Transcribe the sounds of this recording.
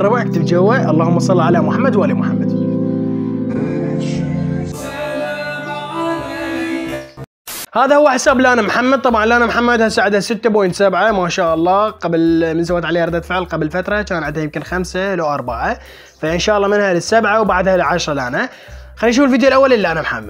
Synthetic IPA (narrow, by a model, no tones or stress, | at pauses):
rˤɑbaʕkt̪ɪbd͡ʒawːaʔɑlˤːɑːhʊmːɑsˤɑlːiʕalamʊħamːad̪wʔalimʊħamːad̪ | haːðahʊwːaħɪsaːblʔaːnamħamːad̪̚t̪ˤɑbʕɑnlʔaːnamħamːad̪hasaːʕɪd̪hasɪt̪ːabojnt̪sabʕamaːʃaːʔɑlˤːɑːqablmɪnsawaːt̪ʕaleːʔɾˤd̪at̪fɪʕlqablfat̪ɾˤɑt͡ʃaːnʕɪnd̪hajɪmkɪnxamsalawʔɑɾˤbaʕa | faʔɪnʃaːʔɑlːɑːmɪnhalɪsːabʕawbaʕad̪halʕaʃɾˤɑlʔana | xanːʃ̬uːfɪlfid̪jolʔawːalʔɪlːiʔanamħamːḁ